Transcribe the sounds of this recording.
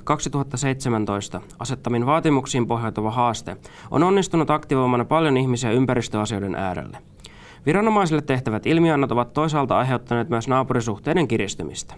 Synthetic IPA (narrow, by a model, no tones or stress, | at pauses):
kɑksit̪uɦɑt̪ːɑse̞jt̪semænt̪o̞jst̪ɑ | ɑse̞t̪ːɑminʋɑːt̪imuksiːmpo̞ɦjɑt̪ɑʋɑɦɑːst̪e̞ʔo̰no̞nːist̪unut̪ɑkt̪iʋo̞jmɑnɑpɑljo̞niçmisiæympæɾist̪øɑsio̞jde̞nʔæ̰ːɾḛlːe | ʋiɾɑno̞mɑjsilːet̪ːe̞ht̪æʋæt̪ilmiɑnːɑt̪o̞ʋɑt̪ːo̞jsɑːlt̪ɑɑjɦe̞wt̪ːɑne̞ːt̪myøsnɑːpuɾisuxt̪ejde̞ŋkirist̪ymḭst̪æ̥